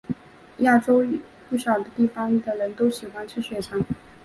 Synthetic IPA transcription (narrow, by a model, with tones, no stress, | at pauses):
ja˥˩ʈ͡ʂo˥ʊ | pu˥˩ɕɑ˨˩ʊd̪ə˦t̪i˥˩fɑ˥ŋy˥˩d̪ə˩ɻə˧˥nt̪o˥ʊɕi˨˩xwa˥nʈ͡ʂʰɻ̩˥ɕɥɛ˨˩t͡sʰɑ˧˥ŋ